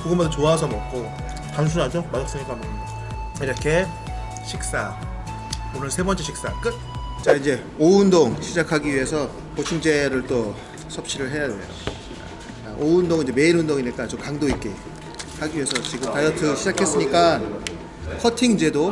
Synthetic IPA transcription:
kuɡʌmadat͡ɕoasʰʌmʌk͈o | tans̬ʰuɾad͡ʑomadak̚s͈ɯɲik͈amʌ | iɾʌkʰe̞ | ɕʰik̚s͈a | onɯɭsʰe̞bʌnt͡ɕ͈eɕʰik̚s͈ak͈ɯt̚t͡ɕaind͡ʑe̞ | oɯndoŋɕʰid͡ʑakʰaɡiɥiɦe̞sʰʌ | pot͡ɕʰuŋd͡ʑe̞ɾɯɭt͈o | sʰʌp̚ɕ͈iɾɯɭɦe̞jade̞̰jo̰ | aoɯndoŋind͡ʑe̞me̞inundoŋiɲik͈at͡ɕomkaŋdoit̚k͈e̞ | haɡiɥiɦe̞sʰʌt͡ɕiɡɯmtajʌtʰɯɕʰid͡ʑakʰe̞s͈ɯɲik͈a | kʰʌtʰiŋd͡ʑe̞do

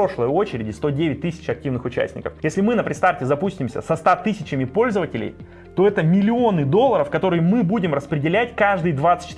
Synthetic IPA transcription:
o̞ʂlˠəjo̞t͡ɕɪɾʲɪdʲɪst̪o̞dʲevʲɪt̚ʲt̪ɨsʲɪ̥t͡ɕɐk̚tʲivnɨxʊt͡ɕæ̰sʲtʲnʲɪ̰kə̰fjesʲlʲɪmɨnəpɾʲɪst̪aftʲɪzɐpusʲtʲɪmsʲə̰sɐst̪at̪ɨsʲɪt͡ɕɪmʲɪpo̞lʲzəvətʲɪlʲɪ̰j | t̪o̞ɛt̪əmʲɪlʲɪo̞nɨd̪o̞lˠːəɾəfkɐt̪o̞ɾɨjəmɨbudʲɪmrəspɾʲɪdʲɪlʲætʲkaʐd̪ɨjd̪vat̪sɨ̥t̪ʲt͡ɕːɪ

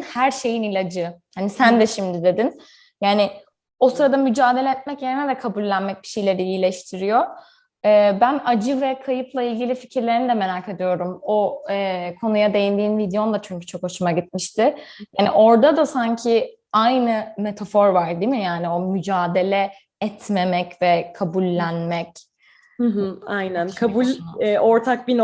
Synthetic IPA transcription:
hæɾʃe̞jinilʲad͡ʒɯhanisænd̪ɛʃimd̪id̪e̞d̪in | jaːnɪ | o̞sɯɾad̪amyd͡ʒaːd̪e̞lʲɛɛt̪̚mɛcjeɾinɛd̪ɛkʰabulʲːænmɛc̚bi̥ʃe̞jlʲe̞ɾiːjlʲɛʃt̪ʰiɾijo̞ | ɛːbænad͡ʒɯvɛkʰajɯplˠailʲɟilʲificʰiɾlʲe̞ɾinid̪ɛme̞ɾaːkʰed̪ijo̞ɾumo̞ɛːkʰo̞nujad̪e̞jind̪iːnvid̪eo̞nd̪ˠat͡ʃʰyɲcy̥t͡ʃʰo̞kho̞ʃumaɟit̪̚miʃt̪ɪjaːnḭʔo̞ɾd̪ad̪asaɲcʰɪ | ajnɯme̞t̪ʰafo̞ɾvaɾd̪imijojaːnio̞myd͡ʒaːd̪e̞lʲɛ | ɛt̪ʰmemɛcvɛkʰabulʲːænmɛc | hɯɦ̩ajnænkʰabulʲɛʔoɾt̪ʰak̚bin

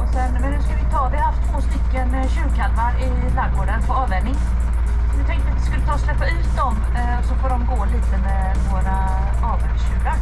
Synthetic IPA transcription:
ɔsɛnːmɛnːʉskalvɪt̪ʰɑːvɪhahaft̪ʰːvoːst̪ʏkːən | ɕʉ̟ːɾkʰalvaɾɪ | laɾɡoːɖənpʰɔɑːvɛnnɪŋ | ɔnɪt̪ʰɛŋkt̪əat̪vɪskɵlːət̪ʰɑːslɛpːaʉ̟ːt̪̚d̪ɔm | ɔsɔfoːɖɔmɡoːliːt̪əmɛ | voːɾa | ɑːvɛnɕʉ̟ːɾaɾ

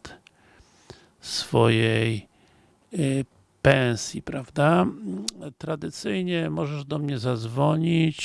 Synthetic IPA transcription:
t̪ | sfɔjɛj | pɛw̃sʲjipɾavd̪a | t̪ɾad̪ɘt̪sɘjɲɛmɔʐɛʐd̪ɔmɲɛzad̪zvɔɲit͡ɕ

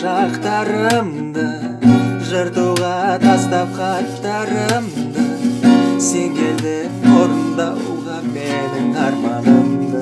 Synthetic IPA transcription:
ʒɑqt̪ɑɾəm | d̪ə | ʒəɾd̪uwʁɑt̪ʰɑst̪ɑp̚qɑt̪ːɑɾəmd̪ə | se̞ŋɡʲeld̪ɪ | woɾənd̪ɑuʁɑbed̪ɪt̪ʰɑɾmɑləmd̪ə

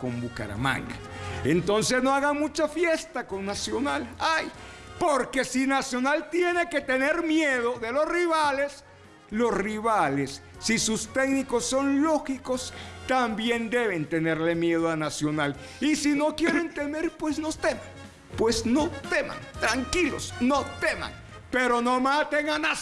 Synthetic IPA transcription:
ko̞mbuka̰ɾa̰ma̰ŋɡaent̪o̞nsesno̞aɣamut͡ʃafje̞st̪ako̞ŋnasjo̞nalajpo̞ɾke̞sinasjo̞nalt̪je̞ne̞ke̞t̪e̞ne̞ɾmjeðoðe̞losriβale̞s | lo̞sriβalesː | isust̪e̞kniko̞sːo̞nlo̞xiko̞st̪ambje̞nd̪e̞βe̞nt̪e̞ne̞ɾle̞mje̞ð̞oanasjonal | isino̞kje̞ɾe̞nt̪e̞me̞ɾpwe̞sno̞st̪eman | pwe̞sno̞t̪ema̰nt̪ɾaŋkilo̰snot̪ema̰ŋ | pe̞ɾo̞no̞mat̪eŋana

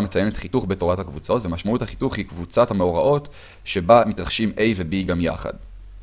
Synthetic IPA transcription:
met͡sajenet̪χituχbetoʁathakvut͡so̞tve̞maʃmauthaχi̥tuχhikvut͡sathameoʁaʔo̞t | ʃe̞bamitʁaχʃimʔe̞jvebiɡamja̰χa̰d

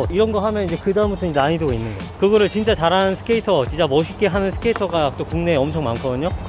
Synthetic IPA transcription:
iɾʌnɡʌɦamjʌnid͡ʑe̞kɯdaɯmbutʰonid͡ʑeaɲidɯɡoinːɯnɡʌkɯɡʌɾɯɭt͡ɕint͡ɕ͈at͡ɕaɾaɯnsʰɯ̥kʰeitʰʌt͡ɕint͡ɕ͈amʌɕʰik͈e̞ɦanɯnsʰɯ̥kʰe̞itʰʌɡat͈okuŋne̞ʌmt͡ɕʰʌŋmankʰʌɯɲo

